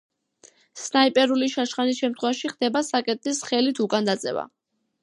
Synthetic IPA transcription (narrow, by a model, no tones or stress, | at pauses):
snaipʼɛɾuliʃaʃχanisʃɛmt̪ʰχwɛvaʃiχd̪ɛbasakʼɛt̪̚ʼisχɛlit̪ʰukʼand̪at̪sʼɛ̰va̰